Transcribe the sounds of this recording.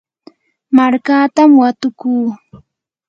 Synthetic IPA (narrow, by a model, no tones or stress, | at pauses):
maɾkaːt̪amwat̪ʊkuː